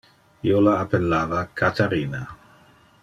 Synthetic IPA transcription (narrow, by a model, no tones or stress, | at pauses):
iolaːpelːaːvakʰat̪aɾiːna